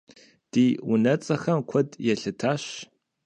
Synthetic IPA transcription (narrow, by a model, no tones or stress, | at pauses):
d̥iːwʊnɐt͡sʼɐxɐmkʷʰɔdjɛɬɨtʰaːɕ